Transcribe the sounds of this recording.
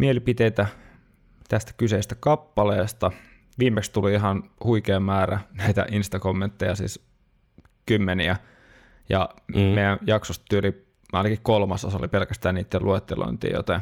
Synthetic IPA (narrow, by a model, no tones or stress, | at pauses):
mielipit̪eit̪æ | t̪æst̪æ̥kyseist̪ækɑpːɑleːst̪ɑ | ʋiːmːekst̪uliiɦɑnhuikeːmːæːrænæit̪æ̰ʔinst̪ɑkomːent̪ːejɑsḭːs | kymːeniæ | jɑ̰meijˑænjɑksost̪t̪yøli | ɑinɑkikkolmɑsoso̰lipelkæst̪æːnniːt̪ːeluet̪ːelo̰int̪ḭːjo̰t̪ɑ